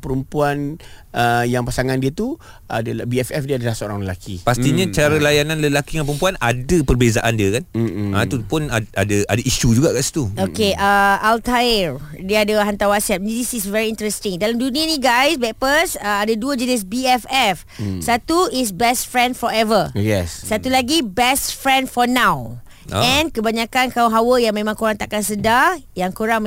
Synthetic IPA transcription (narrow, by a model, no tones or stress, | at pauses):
pəɾumpuanəjaŋpasaŋãndiət̪u | a̰dəlabiɛfɛfdiəadəlahsoɾaŋləlakʰipast̪iɲãt͡ʃaɾəlajanãnləlakiãŋpəɾumpuanadəpərbezaʔandiəkanat̪upʊnaadəadaʔiʃud͡ʒuɡaʔkaʔsi̥t̪uokeʔəalt̪aəɹ | diadəɦant̪awasɛp̚disisvɛɹiːnt̪ɾɛst̪iŋdalamdunĩənĩɡajsbɛʔ̚pəsəadəduəd͡ʒənis̬biɛfɛf | sat̪uis̬bɛsfɹɛ̃ndfɔɹɛvəjɛssat̪ulaɡibɛstfɹɛ̃ndfɔnãw̰ | ɛ̃nkəbaɲãkankawɦawəjaŋmẽmãŋkoɾaŋt̪aʔkansədajaŋkoɾaŋ